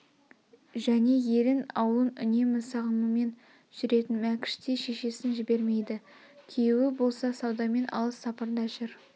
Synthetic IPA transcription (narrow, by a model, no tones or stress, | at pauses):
ʒæne̞je̞lɪnɑ̰wlˠənʏne̞mɪsɑʁəməme̞n | ʒ̥ʏɾe̞t̪ɪnmækʲɪ̥ʃt̪eʃe̞ʃe̞sɪnʒɪbe̞ɾme̞jd̪ɪ | kʲʰijwɪbo̞lˠsɑsɑwd̪ɑme̞nʔɑ̰lˠəsːɑpɑɾd̪ɑʒʏɾ